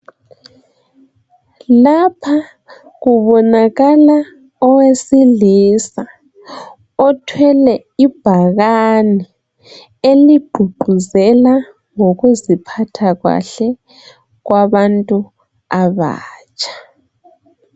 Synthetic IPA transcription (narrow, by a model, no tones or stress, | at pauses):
lapʰa | ɣuβɔnaɣala | ɔwesilisa | ɔtʰwɛlɛ | ib̥ʱaɣani | eliɡ͡ǃʱuɡ͡ǃʱuzɛla | ŋoɣuzipʰatʰaɣwa̰ɬɛ | ɣwaβantʼu | aβa̰ːt͡ʃʰʼḁ